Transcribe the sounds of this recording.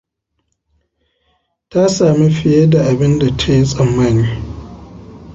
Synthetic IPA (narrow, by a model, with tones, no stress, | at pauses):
ta˦saː˨mi˦ɸɪ˨je˦da˨ʔa˨bɪ˦nda˨tʰa˦ji˦sʼɐ˨mːaː˦˨niː˦